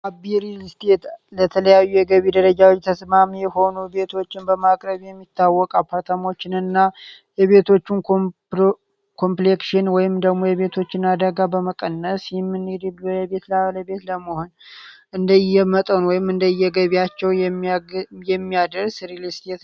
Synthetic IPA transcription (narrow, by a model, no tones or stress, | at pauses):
ʔabiɾilist̪ʰet̪lət̪ʰələjajːujɛɡəβid̪əɾəd͡ʒawot͡ʃʼːt̪ʰəsmamijɛho̞nube̞t̪ʰo̞t͡ʃːɪnbəmakʼɾəβjɛmːit̪ːawːɔkʼapʰːaɾt̪ʰamo̞t͡ʃːɪnɨnːa | jɛβe̞t̪ʰo̞t͡ʃːun | kʰo̞mplekʃɪnwɔjɪmd̪əɡmo̞jɛβe̞t̪ʰo̞t͡ʃːɪnad̪əɡabəməkʼənːəsjɪmːɨnːid̪ib̪ləβe̞t̪laləβe̞t̪ləməho̞nʔɨnd̪əjːɛmət̪ʼənwɔjɪmɨnd̪əjːɛɡəβijat͡ʃːɛwmjɛmːijad̪əɾsɾilist̪ʰet̪